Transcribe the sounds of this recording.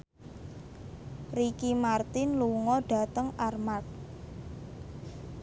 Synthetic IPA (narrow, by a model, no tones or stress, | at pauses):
rikimart̪ɪnluŋɔɖ̥a̤t̪əŋarmart̪̚